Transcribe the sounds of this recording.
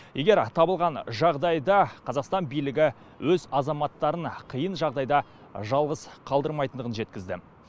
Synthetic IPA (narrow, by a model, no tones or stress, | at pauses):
je̞ɡʲe̞ɾt̪ʰɑbəlˠʁɑnʒɑʁd̪ɑjd̪ɑqʰɑzɑqst̪ɑnbijlɪɡʲɪ | wʔɵzɑzɑmɑt̪ːɑɾəɴqʰəjənʒɑʁd̪ɑjd̪ɑ | ʒɑlˠʁəzqʰɑlˠd̪əɾmɑjt̪ənd̪əʁənʒe̞t̪̚kʲɪzd̪ɪ̰